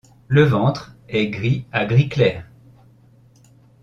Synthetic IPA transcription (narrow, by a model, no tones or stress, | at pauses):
ləvɑ̃t̪χɛɡʁiaɡʁiklɛːʁ